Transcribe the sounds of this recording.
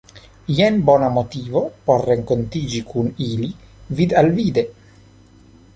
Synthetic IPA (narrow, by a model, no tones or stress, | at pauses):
jɛnbɔnamot̪iːvopɔrːeŋkont̪iːd͡ʒikʰuniːli | vid̪alviːd̪e